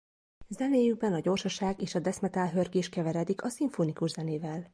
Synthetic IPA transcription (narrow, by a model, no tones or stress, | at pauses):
zɛneːjyɡ̚bɛnɒɟo̞rʃɒʃaːɡeːʃɒd̪ɛsmɛt̪aːlɦørɡeːʃkɛvɛɾɛd̪ikʰɒsiɱfoːnikuʒzɛneːvɛl